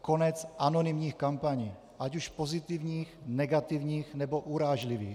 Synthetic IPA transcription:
ko̞nɛt͡sʔanonimɲiːxkampaɲiː | ʔacuʃpo̞zɪt̪ivɲiːxnɛɡat̪ivɲiːxnɛboʔuɾaːʒlivḭːx

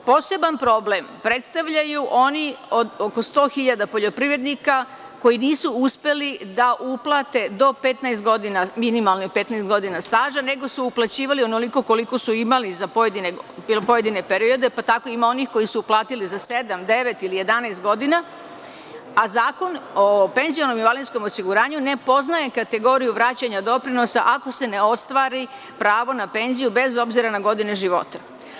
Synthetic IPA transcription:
po̞ːse̞banpɾo̞ble̞mpɾe̞t̪st̪aʋʎajuʔo̞nio̞d̪oko̞st̪o̞ːxiʎad̪apo̞ʎo̞pɾiʋɾe̞d̪nika | ko̞jiniːsuuspe̞lid̪aʔuplˠat̪e̞d̪o̞pe̞t̪najst̪ɡo̞d̪inaminimalˠnipe̞t̪najst̪ɡo̞d̪inast̪aːʒane̞ɡo̞suuplˠat͡ɕiːʋalionoliko̞ko̞liko̞suimalizapojed̪inepo̞je̞d̪ine̞pe̞ɾio̞d̪e̞pat̪ako̞imao̞nixko̞jisuuplˠaːt̪ilizase̞d̪amd̪e̞ʋe̞t̪ilije̞d̪anaɪst̪ɡo̞d̪ina | azaːko̞nope̞nzionomiʋalinsko̞mosiɡuɾaːɲune̞po̞znaje̞kat̪e̞ɡo̞ɾijuʋɾaːt͡ɕaɲad̪o̞pɾino̞saʔako̞se̞ne̞o̞st̪ʋaːɾi | pɾaːʋo̞nape̞nzijube̞zo̞bziɾanaɡo̞d̪ineʒiʋo̞̰t̪ḁ

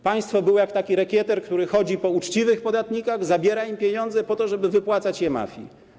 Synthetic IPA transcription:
paj̃st̪fɔbɘwjakt̪akʲiɾɛkʲjɛt̪ɛɾkt̪uɾɘxɔd͡ʑipɔut͡ʂt͡ɕivɘxpɔd̪at̪ɲikaɣzabʲjɛɾaimpʲjeɲɔnd̪zɛpɔt̪ɔʐɛbɘvɘpwat̪sat͡ɕjɛma̰fʲjḭ

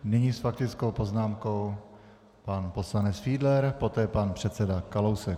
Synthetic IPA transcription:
nɪɲiːsfak̚t̪ɪt͡skowpoznaːmko̞w | panpo̞slanɛt͡sfiːdlɛɾpo̞t̪ɛːpanpr̥ɛt̪t͡sɛdakalowsɛk

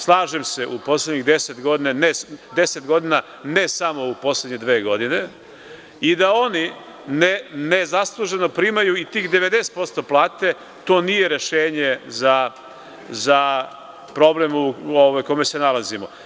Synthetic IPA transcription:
slˠaːʒemse̞ʔupo̞sledɲiɣd̪eset̪ɡo̞d̪inaned̪eset̪ɡo̞d̪ina | ne̞samo̞upo̞sledɲed̪ʋeːɡo̞d̪ine̞ | id̪ao̞ni | nenezaslˠuʒe̞no̞pɾiːmajuit̪iːxd̪eʋed̪ese̥t̪po̞st̪o̞plˠaːt̪e̞ | t̪o̞ːnije̞ɾe̞ʃeːɲeza | za | pɾo̞blemuoʋajkome̞se̞nalazimo̞

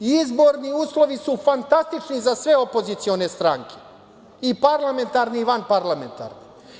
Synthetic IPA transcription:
izbo̞ːɾniuːslˠo̞ʋisufant̪ast̪it͡ʃnizasʋe̞opo̞zit̪sio̞ne̞st̪ɾaŋkʰe̞ | ipaɾlame̞nt̪aɾniːʋanpaɾlame̞nt̪a̰ɾni

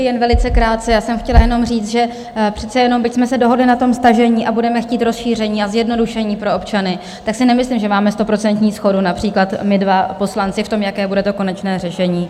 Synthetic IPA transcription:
jɛnvɛlɪt͡sɛkɾaːt̪̚t͡sɛjaːsɛmxcɛlajɛno̞mr̝iːt͡st̪ʒɛ | pr̝̥ɛt̪t͡sɛjɛnombɪcsmɛsɛdo̞ɦodlɪnat̪o̞mst̪aʒɛɲiːʔabudɛmɛxciːt̪ɾo̞sʃiːr̝ɛɲiːazjɛdno̞duʃɛɲiːpɾo̞opt͡ʃanɪ | t̪aksɪnɛmɪslimʒɛmaːmɛst̪o̞pɾo̞t͡sɛnt̪ɲiːsxo̞dunapr̝̥iːklat̪mɪdvapo̞slant͡sɪft̪o̞mjakɛːbudɛt̪o̞ko̞nɛt͡ʃnɛːrɛʃɛɲiː

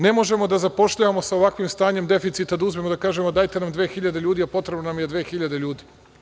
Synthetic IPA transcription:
ne̞mo̞ʒe̞mo̞d̪azapo̞ʃʎaʋamo̞saoʋakʋimst̪aːɲe̞md̪e̞fit̪sit̪ad̪auzme̞mod̪akaːʒe̞mo̞d̪ajt̪e̞namd̪ʋe̞ːxiʎad̪e̞ʎuːd̪iapo̞t̪ɾebnonamje̞d̪ʋeːxiʎad̪e̞ʎuːd̪i

